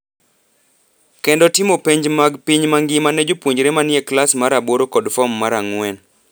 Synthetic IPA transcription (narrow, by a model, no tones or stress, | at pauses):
kɛndɔtɪmopeɲd͡ʒmaɡpiɲmaŋɡɪmaned͡ʒopwoɲd͡ʒɾemanjɛklasmaɾaboɾokɔdfɔmːaɾaŋwɛn